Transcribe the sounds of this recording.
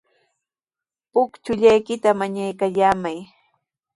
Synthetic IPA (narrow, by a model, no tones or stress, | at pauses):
pʊkt͡ʃʊʎajkɪt̪amaɲajkaʎaːmaj